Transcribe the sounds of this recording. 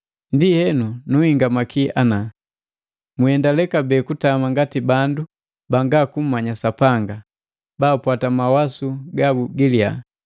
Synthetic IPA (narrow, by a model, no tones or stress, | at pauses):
ndihɛnunuhiŋɡamakiana | muhɛndalɛkabɛːkutamaŋɡatibandu | baŋɡakum̩maɲasapaŋɡa | baːpwatamawasuɡabuɡilia̰